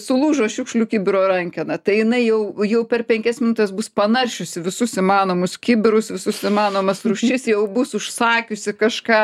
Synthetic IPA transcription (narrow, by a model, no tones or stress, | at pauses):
sʊlˠuːʒoʃʲʊkʃlʲuːkʲibʲɪɾoːɾɐŋʲkʲɪnɐt̪ɐɪjɪnɐɪjɛʊjɛʊpʲɛrpʲɛŋʲkʲɛsmʲɪnʊt̪ʲeːsbʊspɐnɐrʲʃʲʊsʲɪʋʲɪsʊsɪmɑːnoːmʊskʲɪbʲɪɾʊsʋʲɪsʊsimɑːnoːmɐsrʊʃʲt͡ʃʲɪsjɛʊbʊsʊʃsɑːkʲʊsʲɪkɐʃkɑː